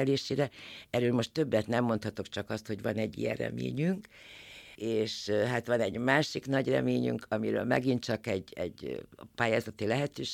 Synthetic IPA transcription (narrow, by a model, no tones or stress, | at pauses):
ɛleːʃeːɾɛɛɾøːlmo̞ʃt̪ø̞bːɛt̪nɛmːo̞nt̪hɒt̪okt͡ʃɒkɒst̪ho̞ɟʋɒnɛɟːḭjɛ̰rrɛ̰mḛːɲyŋk | eːʃɦat̪ʋɒnɛɟmaːʃiknɒɟrɛ̰meːɲy̰ŋkʰɒmiɾø̰ːlmɛ̰ɡint̪t͡ʃɒkɛɟɛ̰ɟpaːjaːzɒt̪ilɛɦɛt̪øːʃ